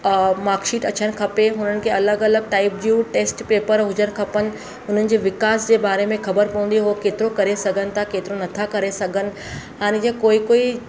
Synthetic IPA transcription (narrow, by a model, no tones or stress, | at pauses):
maːɾkʃiːʈɐt͡ɕəñɪ̆kʰɐpeɦʊn̤ənɪ̆kʰeːɐləɡɐləɡ̚ʈaːɪp̚d͡ʑuʈeːsʈpeːpəɾɦʊd͡ʑəñɪkʰɐpənɪ̆ | ʊn̤ənɪ̆d͡ʑeːʋɪkaːsd͡ʑeːbaːɾemẽxɐbəɾpɐũːn̆d̪iɦʊokeːt̪ɪɾokɐɾesɐɡʱənɪ̆t̪ʰakeːt̪ɪɾonɐt̪ʰakɐɾesɐɡʱənɪ̆ | ɦaːñẽd͡ʑakoːikoːi